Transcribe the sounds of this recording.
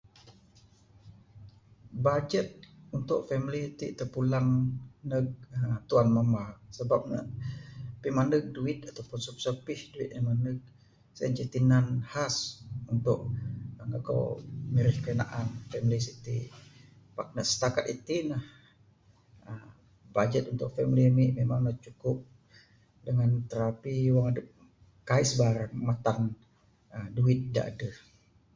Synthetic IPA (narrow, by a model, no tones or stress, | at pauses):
bad͡ʒət̪̚unt̪ʊʔfɛmlit̪it̪əpulaŋnəɡ̚ət̪uanmamasəbap̚nə̰ʔpimanəɡ̚duɪt̪̚at̪awpʊnsup̚səpɪhduḭt̪̚əmanəɡ̚ | səənt͡ʃət̪inanhasunt̪ʊʔəŋaka̰wmiɾɪhkəəna̰ʔanfɛmlisit̪i | pak̚naʔsə̥t̪akat̪it̪inah | əm | bad͡ʒɛt̪unt̪ʊk̚fɛmlimiʔmemaŋnat͡ʃukʊp̚ | dəŋant̪əɾapiwaŋadəp̚ | kaɪsbaɾaŋmat̪an | əmduɪt̪̚da̰ʔa̰də